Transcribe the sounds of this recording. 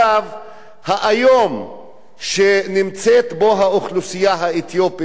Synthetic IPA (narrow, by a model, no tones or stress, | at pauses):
av | haʔajo̞m | ʃenimt͡set̪boɦaoχlusijaɦaet̪jopi